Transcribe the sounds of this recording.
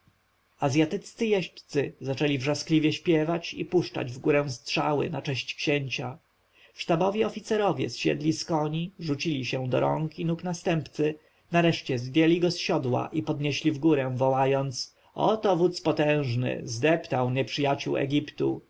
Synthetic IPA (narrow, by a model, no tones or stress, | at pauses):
azʲjat̪ɘt͡st̪sɘjɛɕpt̪sɘzat͡ʂɛlʲivʐasklʲivʲjɛɕpʲjɛvat͡ɕḭpuʂt͡ʂa̰d͡ʑvɡuɾɛ̃w̃st̪ʂa̰wɘ̰nat͡ʂɛɕt͡ɕkɕɛɲt͡ɕa | fʂt̪abɔvʲjɛɔfʲit̪sɛɾɔvʲjɛ̰sɕɛ̰d̪lʲiskɔɲiʐut͡ɕilʲiɕɛd̪ɔɾɔ̰ŋkinuknast̪ɛmpt̪sɘ | naɾɛʂt͡ɕɛzvʲjɛlʲiɡɔsɕɔd̪wa̰ʔipɔd̪ɲeɕlʲivɡuɾɛ̃vɔwajɔnt̪s | ɔ̰t̪ɔvut̪spɔt̪ɛ̃w̃ʐnɘ̰zd̪ɛpt̪awɲɛpʂɘjat͡ɕuwɛ̰ɡʲipt̪ṵ